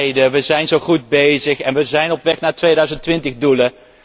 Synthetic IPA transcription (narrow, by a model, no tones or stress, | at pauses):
jdəʋəzɛjnzowχud̚bejzəχɛnʋəzɛjnɔpʋɛχnaːtʋejdœɥzəntʋɪntəχdulə